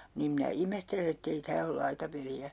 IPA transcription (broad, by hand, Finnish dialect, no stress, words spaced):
niːm minæ imehtelen etː ei tæː ol lɑitɑpeliæ